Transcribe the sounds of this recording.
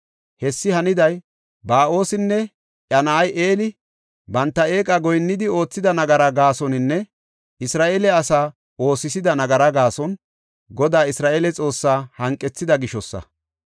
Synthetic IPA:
hɛsːɪhɐnɪd̪ɐj | baːʔo̞ːsɪnːɛ | ʔɐnɐːjʔeːlɪ | bɐnt̪ːɐe̞ːkʼɐɡɔjnːɪd̪ɪo̞ːt͡sːɪd̪ɐnɐɡɐɾɐɡaːsɔnɪnːɛ | ɪsɾaːʔelɛɐsaː | o̞ːsɪsɪd̪ɐnɐɡɐɾɐɡaːsɔn | ɡɔd̪aːɪsɾaːʔeːlɛt͡sʼo̞ːsːaːhɐŋkʼːɛt͡sːɪd̪ɐɡɪʃɔsːɐ̰

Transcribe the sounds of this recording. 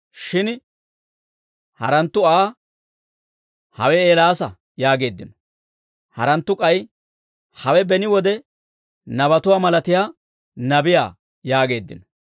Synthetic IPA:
ʃɪn | hɐ̰ɾɐnt̪ːʊaː | hɐ̰wɛeːlaːsɐ | jaːɡe̞ːd̪ːɪnɔ | hɐɾɐnt̪ːʊkʼɐj | hɐwɛbɛnɪwɔd̪ɛ | nɐβɐt̪ʊwaːmɐlɐt̪ɪjaː | nɐbɪja̰ː | jaːɡe̞ːd̪ːɪ̰nɔ

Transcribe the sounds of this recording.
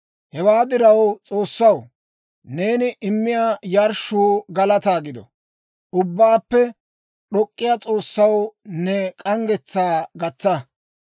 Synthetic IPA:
hɛwaːd̪ɪɾɐwt͡sʼoːsːɐw | ne̞ːnɪʔɪmːɪjajɐɾʃuːɡɐlɐt̪aːɡɪd̪ɔ̰ | ʔʊbːaːpːɛ | ɗɔkʼːɪjat͡sʼo̞ːsːɐwnɛkʼɐŋɡɛt͡sːaːɡɐt͡sːɐ

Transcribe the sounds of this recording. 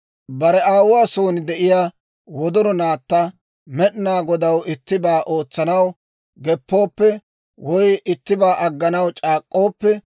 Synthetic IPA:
bɐɾɛaːwʊwaːso̞ːnɪd̪ɛʔɪjaː | wɔd̪ɔɾɔnaːt̪ːɐ | mɛɗnaːɡɔd̪ɐwɪt̪ːɪbaːʔo̞ːt͡sːɐnɐw | ɡɛpːo̞ːpːɛ | wɔjɪt̪ːɪbaːʔɐɡːɐnɐwt͡ʃʼaːkʼːo̞ːpːɛ

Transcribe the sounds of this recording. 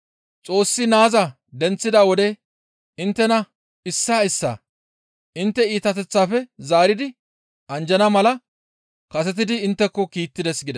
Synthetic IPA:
t͡sʼo̞ːsːɪnaːzɐ | d̪ɛnt͡sːɪd̪aːwɔd̪ɛ | ɪnt̪ːɛnɐ | ɪsːaːɪsːa̰ː | ʔɪnt̪ːɛiːt̪ɐt̪ɛt͡sːaːfɛzaːɾɪd̪ɪ | ʔɐnd͡ʒɐnɐmɐlɐ | kɐsɛt̪̬ɪd̪ɪːnt̪ːɛkːɔkiːt̪ːɪd̪ɛsɡɪd̪ɛ

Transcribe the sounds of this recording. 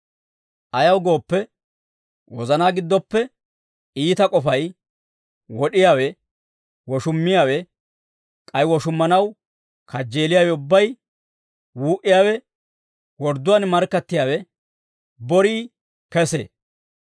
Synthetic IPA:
ʔɐjɐwɡo̞ːpːɛ | wɔzɐnaːɡɪd̪ːɔpːɛ | iːt̪ɐkʼɔfɐj | wɔɗɪjaːwɛ | wɔʃʊmːɪjaːwɛ | kʼɐjwɔʃʊmːɐnɐw | kʰɐd͡ʒːe̞ːlɪjaːwɛʊbːɐj | wuːʔɪjaːwɛ | wɔɾd̪ʊwanmɐɾkːɐt̪ːɪjaːwɛ | bɔɾiː | kɛsḛː

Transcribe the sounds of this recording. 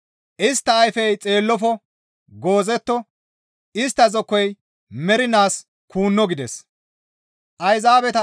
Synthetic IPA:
ʔɪst̪ːɐːjfɛjt͡sʼe̞ːlːɔfɔ | ɡo̞ːzɛt̪ːɔ | ɪst̪ːɐzɔkːɔj | mɛɾɪnaːs | kuːnːɔɡɪd̪ɛs | ʔɐjzaːbɛt̪ɐ

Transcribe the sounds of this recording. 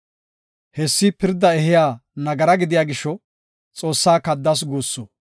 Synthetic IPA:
hɛsːɪpɪɾd̪ːɐɛhɪjaːnɐɡɐɾɐɡɪd̪ɪjaːɡɪʃːɔ | t͡sʼo̞ːsːaːkɐd̪ːɐs̬ɡuːsːo

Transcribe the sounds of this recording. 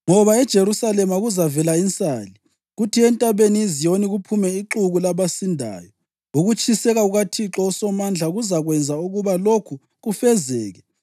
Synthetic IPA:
ŋɔβaɛd̥ʒ̥ʱeɾusalɛmaɣuzavɛlaint͡sʼaːli | ɣutʰiɛntʼaβenizijoniɣupʰumɛiǁuɣulaβasindʱa̰ːjɔ | uɣut͡ʃʰʼisɛɣauɣatʰiǁɔusɔmand͡ɮʱaɣuzaɣwɛnd͡zʱauɣuβalokʰu | ɣufɛzɛːɣɛ

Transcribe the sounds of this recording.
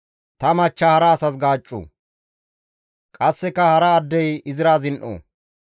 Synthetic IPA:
t̪ɐmɐt͡ʃːɐhɐɾɐːsɐs̬ɡaːt͡ʃʼːṵː | kʼɐsːɛkːɐhɐɾɐːd̪ːɛjɪzɪɾaːzɪnʔo̰ː

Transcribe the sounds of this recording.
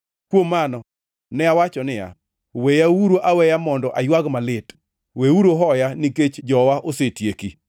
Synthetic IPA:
kwomːanɔ | nɛawat͡ʃɔnɪja̰ | wejauɾoʔawɛjamɔndɔʔajwaɡmalɪt | weuɾoɦɔjaniket͡ʃd͡ʒɔwaʔosetjeki

